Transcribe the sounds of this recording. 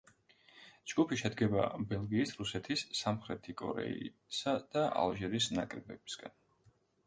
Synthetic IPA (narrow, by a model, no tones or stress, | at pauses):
d͡ʒɡupʰiʃɛd̪ɡɛba̰bɛlˠɡiːsɾusɛt̪ʰisːamχɾɛt̪ʰikʼɔ̰ɾɛ̰i | sad̪̥aʔa̰lˠʒɛɾisna̰kʼɾɛbɛb̥i̥sɡ̥an